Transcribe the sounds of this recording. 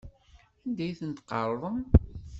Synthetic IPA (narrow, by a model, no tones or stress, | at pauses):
ænd̪æjθənt̪qːɑɾˤðˤəm